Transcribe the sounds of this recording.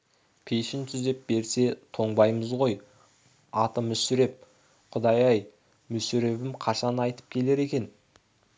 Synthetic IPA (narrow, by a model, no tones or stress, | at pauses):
pʰe̞jʃɪnt̪ʰʏzd̪e̞p̚be̞ɾse̞t̪ʰo̞ɴbɑjməzʁo̞j | ɑt̪əmʏsʏɾe̞p̚ | qʰʊd̪ɑjɑj | mʏsʏɾe̞bɪmqʰɑʃɑnɑjt̪ə̥p̚kʲʰe̞le̞ɾe̞kʲe̞n